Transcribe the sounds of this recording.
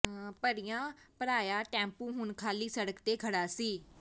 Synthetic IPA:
pəɾijãːpəɾaːjaːʈɛ̃ːmpũːɦʊnkʰaːliːsəɽəkt̪eːkʰəɽaːsiː

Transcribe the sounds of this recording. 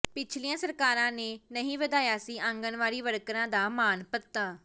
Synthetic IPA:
pɪt͡ʃʰliːãːsəɾkaːɾãːneːnəɦĩːʋəd̪aːjaːsiːʔə̃ŋɡənʋaːɽiːʋəɽkɾãːd̪aːmaːnpət̪ːaː

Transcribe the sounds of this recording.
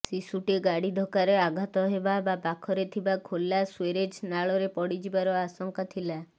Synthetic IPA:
sisuʈeɡaɽid̪ʱɔkaɾeaɡʱat̪ɔɦebabapakʰɔɾet̪ʰibakʰolːasweɾed͡ʒnaɭɔɾepɔɽid͡ʒibaɾɔasɔŋkat̪ʰila

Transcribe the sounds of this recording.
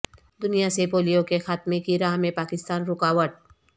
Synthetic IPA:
d̪ʊnijasepoːlijõkexaːt̪mekiɾaːɦmẽpaːkɪst̪aːnɾʊkaːwəɾʈ̚

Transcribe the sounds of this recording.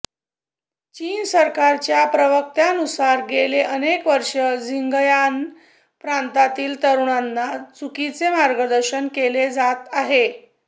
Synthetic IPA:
t͡ɕiːnsəɾkaɾt͡ɕjapɾəʋək̚t̪anusaɾɡeleʔənekʋəɾʂəd͡ziŋɡjan | pɾant̪at̪iːlt̪əɾuɳanːat͡sukit͡semaɾɡəd̪əɾɕənkeled͡zat̪aɦe

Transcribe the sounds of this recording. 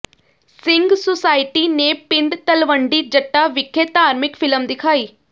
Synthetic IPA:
sɪ̃ŋɡsosaːɪʈiːneːpɪɳɖt̪əlʋəɳɖiːd͡ʒəʈːaːʋɪkʰːet̪aːɾmɪkfʰɪləmd̪ɪkʰaːiː

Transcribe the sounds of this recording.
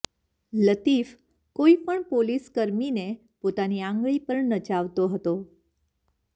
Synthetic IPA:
lət̪if | koipəɳpoliskəɾmine | pot̪aniãŋɡɭipəɾnəd͡ʒaʋt̪oɦət̪o

